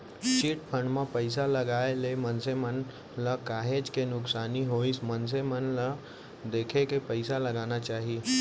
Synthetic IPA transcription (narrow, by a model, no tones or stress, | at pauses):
t͡ʃiʈpʰəɳɖmə̃pəjs̬aləɡaelemənsemən | ləkaɦed͡ʒkenʊksaniɦoisməns̬emənla | d̪ekʰekepəɪsaləɡanat͡ʃaɦi